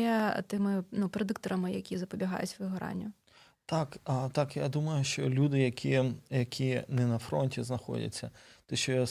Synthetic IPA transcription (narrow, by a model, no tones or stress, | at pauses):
ɛt̪ɪmɪnupɾed̪ɪkt̪ɔɾʔɐmɪjɐkʲizɐpɔbʲiɦɑ̰jʊ̰t͡sʲʋɪɦɐɾɑ̰nʲːʊ | t̪ɑkt̪ɑkjad̪umɐjʊʃt͡ʃɔlʲud̪ɪjɐkʲijɐkʲʰinɛnɐfɾɔnʲtʲiznɐxɔ̰dʲɐ̰t͡sʲːɐt̪ɛʃt͡ʃɔjɔ